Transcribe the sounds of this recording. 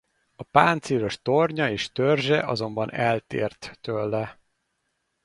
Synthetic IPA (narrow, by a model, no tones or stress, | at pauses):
ɒpaːnt̪siːɾo̞ʃt̪o̞rɲɒeːʃt̪ørʒɛʔɒ̰zo̞mbɒnɛlt̪ḛːrt̪t̪øːlːɛ